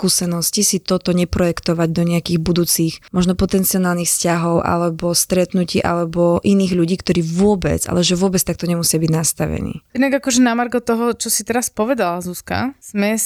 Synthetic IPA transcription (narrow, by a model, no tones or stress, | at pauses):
kuːsɛnɔscisit̪ɔt̪ɔɲɛpɾɔjɛkt̪ɔʋaɟd̪ɔɲɛakiːɣbud̪uːt͡sixmɔʒnɔpɔt̪ɛnt͡siɔnaːlnixfscaɦɔʊʔa̰lɛbɔst̪ɾɛt̪nuciːʔa̰lɛbɔʔiniːɣʎuɟiːkt̪ɔɾiːʋʊɔbɛ̰d͡za̰lɛʒɛʋʊɔbɛt͡st̪ak̚t̪ɔɲɛmusɪabiɟnast̪a̰ʋɛ̰nḭːjɛd̪naɡakɔʒɛnamaɾɡɔt̪ɔɦɔt͡ʃɔsit̪ɛɾaspɔʋɛd̪alazuska̰z̥mɛ